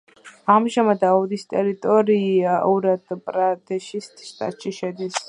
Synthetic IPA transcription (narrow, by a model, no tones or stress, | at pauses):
amʒamad̪aɔd̪ist̪ʼɛɾit̪ʼɔɾiaʔuɾad̪pʼɾad̪ɛʃist̪ʃt̪ʼa̰t̪ʼʃiʃɛd̪is